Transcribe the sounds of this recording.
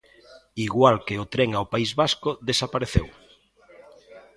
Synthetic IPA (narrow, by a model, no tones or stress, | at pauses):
iɣwalkeot̪ɾɛŋaopaizβaskʊðesapaɾeθew